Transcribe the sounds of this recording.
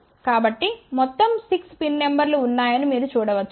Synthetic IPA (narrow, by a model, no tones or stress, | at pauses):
kaːbɐʈːimɔt̪ːɐmsikspinːembɐɾluːnːaːjɐnimiːɾut͡ʃuːɽɐʋɐt͡ʃːu